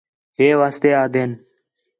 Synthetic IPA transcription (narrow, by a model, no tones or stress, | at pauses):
ɦeːʋaːst̪eːaːd̪ʱeːn